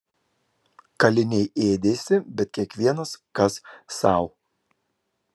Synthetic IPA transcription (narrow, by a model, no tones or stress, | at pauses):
kɐlʲɪnʲɛɪeːd̪ʲeːsʲɪbʲɛt̪̚kʲiɛkʋʲiɛnɐskɐsːɐˑʊ